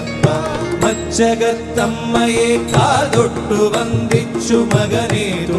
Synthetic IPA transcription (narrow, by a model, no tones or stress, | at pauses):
ɐ | mɐt͡ʃɐɡɐt̪ɐmːɐjeːkaːld̪oʈːuʋɐnd̪it͡ʃːumɐɡɐneːɾu